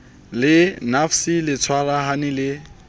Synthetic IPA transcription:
lɪnafsilɪt͡sʰwalaɦanɪlɪ

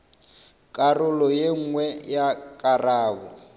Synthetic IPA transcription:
kʼarʊlɔjeŋ̩ŋwɛjakʼaraːβɔ̰

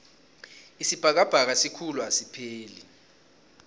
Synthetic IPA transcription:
isib̥ʱak̬ab̥ʱak̬asikʰuluasipʰeːli

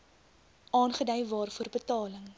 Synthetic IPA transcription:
ʔɑːnχədɛjvɑːrfuərbətɑːləŋ

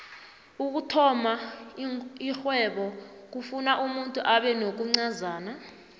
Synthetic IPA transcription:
uk̬utʰɔma | ixwɛɓɔk̬ufunaʔumuntʼuʔaɓɛnok̬uŋ͡ǀazaːna

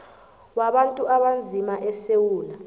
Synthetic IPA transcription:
waɓantʼuʔaɓand͡zʱimaʔɛsewuːla

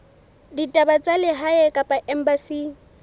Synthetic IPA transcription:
ditʼabat͡sʼalɪɦaɛkʼapʼaʔɛm̩basiː

